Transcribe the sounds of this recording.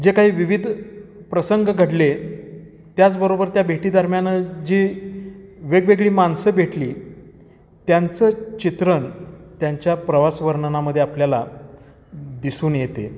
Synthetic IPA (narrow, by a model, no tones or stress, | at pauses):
d͡ʑekaɦiːʋiʋid̪ʱpɾəsəŋɡɡʱəɽle | t̪jat͡sbəɾobəɾt̪jabʱeʈiːd̪ʱəɾmjanəd͡ʑi | ʋeɡʋeɡɭiːmansəbʱeʈliː | t̪jant͡sət͡ɕit̪ɾənt̪jaɲt͡ɕjapɾəʋasʋəɾɳnaməd̪ʱːjeapljala̰ | d̪isuːnjet̪ḛ